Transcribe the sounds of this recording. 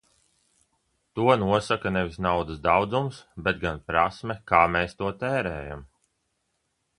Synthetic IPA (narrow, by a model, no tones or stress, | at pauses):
t̪uɔnuɔsakanɛvisnawd̪əsd̪awd̪zumsbet̪̚ɡanpɾasmɛkaːmeːst̪uɔt̪ɛːɾɛːjam